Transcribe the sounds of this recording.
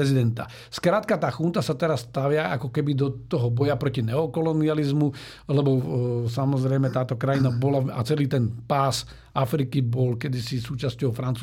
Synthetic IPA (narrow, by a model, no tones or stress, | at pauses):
ɛzid̪ɛnt̪a̰ | skɾaːt̪kat̪aːxunt̪asat̪ɛɾasːt̪aʋɪaʔa̰kɔkɛbid̪ɔt̪ɔɦɔbɔjapɾɔcinɛɔkɔlɔnializmu | lɛbɔs̬amɔzɾɛjmɛt̪aːt̪ɔkɾajinabɔlaa̰t͡sɛliːt̪ɛnpaːs | afɾikibɔlkɛd̪isisuːt͡ʃascɔʊfɾant͡su